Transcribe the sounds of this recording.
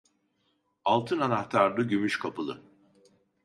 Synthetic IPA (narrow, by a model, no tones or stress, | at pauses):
alˠt̪ʰɯnanaht̪ʰaɾd̪ˠɯɟymyʃkʰapɯlˠɯ̰